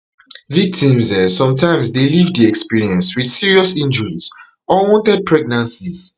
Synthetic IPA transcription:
vik̚tʰĩmzɛsɔ̃mtʰãɪ̃msdelivdiɛkspiɹiɛ̃nswið̥siɹiɔsĩnd͡ʒɔɹiz̥ | ɔwɔ̃ntɛd̚pʰɹɛɡ̚nãnsiz

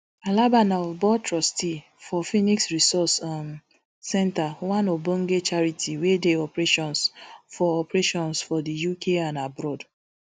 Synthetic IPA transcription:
alabanaɔvbɔtɹɔsti | fɔfiniksɹisɔsm | sɛntawãnobõŋ̩ɡet͡ʃaɹitʰiwedeɔpɾeʃɔ̃nsfɔɔpɹeʃɔ̃nsfɔdijukʰeãnabɾɔd

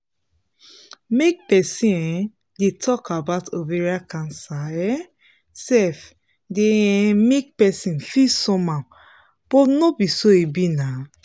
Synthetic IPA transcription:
mek̚pɛsĩɛ | detʰɔkabatoveɹiakãnsaɛ | sɛf | demek̚pɛsĩnfisɔ̃mã | b̥ɔtnobisoebina

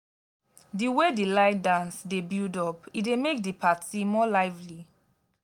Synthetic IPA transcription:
diwedilaɪdãnsdebildɔpidemek̚dipʰatimɔlaɪvli

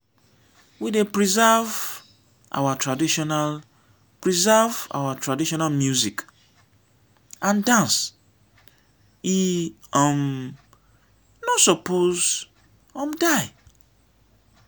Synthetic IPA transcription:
widepɹizav | ʔa̰watʰɹadiʃɔnal | pɹizava̰watʰɹadiʃɔnalmjuzik | ãndãns | i | ɔ̃m | nɔsɔpoz | ɔ̃mdaɪ

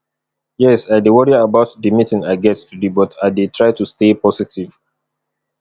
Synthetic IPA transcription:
jɛsaɪdewɔɹiabaʊtdimitɪ̃ŋaɪɡɛttudibɔtʰaɪdetʰɹaɪtustepɔsitʰiv

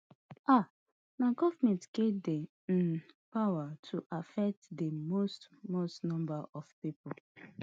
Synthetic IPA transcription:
a | maɡɔvmɛ̃ntɡ̥edɛ | ĩnpawatʰuʔafɛk̚tdəmostmostnɔ̃mbaʔɔfpipɔl

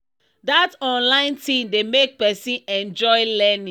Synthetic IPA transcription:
datɔ̃nlãɪ̃ntʰĩmdemek̚pɛsĩnɛ̃nd͡ʒɔɪlɛnĩ

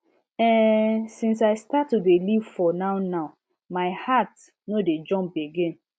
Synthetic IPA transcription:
ɛsĩnsaɪstatːudelivfɔnaʊnaʊ | maɪhat | noded͡ʒɔ̃mpeɡẽn

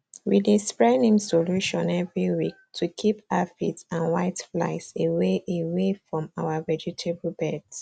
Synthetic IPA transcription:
widispɹɛnĩmsoluʃɔ̃nɛvɹiwik̚tʰukʰipaafḭtãnwaɪtfla̰ɪseweʔewefɹɔ̃mawavɛd͡ʒutʰeblbɛds

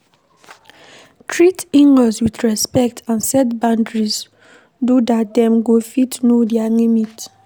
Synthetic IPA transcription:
tʰɹitiŋɡɔswidɹɛspɛk̚tʰãnsɛtbãndɹis | dudatdɛmɡofitnodiaŋemit

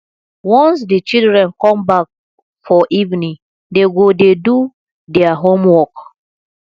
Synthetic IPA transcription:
wɔ̃ns̬dit͡ʃildɹɛ̃nkɔ̃mbak̚ | fɔʔivnĩŋ | deɡodedu | dɛaɦomwɔk

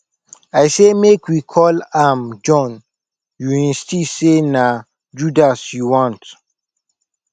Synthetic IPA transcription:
aɪsemekwikʰɔlãmd͡ʒɔ̃n | juɛ̃nstisena | d͡ʒudasjuwɔ̃nt

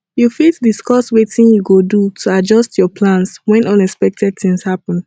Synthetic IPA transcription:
jufitdiskɔswetĩnjuɡodutʰuad͡ʒɔstʰjɔpʰlãnswɛ̃nɔ̃nɛspɛk̚tɛd̚θĩŋshapə̃n

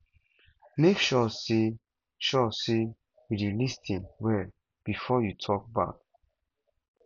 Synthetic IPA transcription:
mekʃɔse | ʃɔse | widilistʰĩnwɛ | b̥ifɔjutʰɔk̚ba̰k

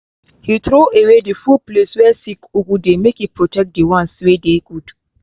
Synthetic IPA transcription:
hitɾoʔewedifupleswɛsikuɡudemekipʰɹɔtɛk̚diwãnswedeɡud

